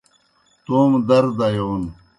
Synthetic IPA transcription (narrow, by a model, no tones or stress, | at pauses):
t̪oːmd̪ɐɾd̪ajoːn